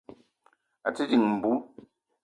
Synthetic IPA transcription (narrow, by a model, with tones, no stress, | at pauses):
a̰˨t͡si˦di˨ŋm̩˨bu˨˦